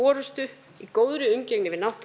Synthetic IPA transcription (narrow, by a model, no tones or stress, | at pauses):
ɔːɾʏst̪ʏ | ikoːwðɾʏʏmcɛknɪvɪðnawht̪